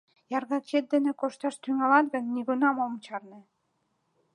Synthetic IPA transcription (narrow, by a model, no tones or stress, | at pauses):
jɑrɣɑt͡ɕet̪̚d̪enĕkoʃt̪ɑʃt̪yŋɑlɑt̪ɡə̆nːiɣunɑmomt͡ɕɑrnĕ